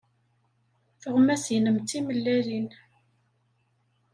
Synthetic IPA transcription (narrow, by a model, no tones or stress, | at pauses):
θəʁmæsjnəmt̪ːiməlːælin